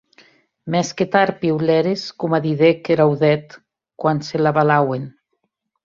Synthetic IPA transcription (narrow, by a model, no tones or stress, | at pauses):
mɛsket̪aɾpiwlɛɾeskumaðiðekeɾawðɛt̪ | kwanselaβalawen